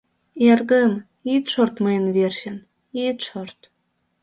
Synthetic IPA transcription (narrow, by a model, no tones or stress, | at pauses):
erɣəm | it̪ʃort̪məjənβerɕə̆n | it̪ʃort̪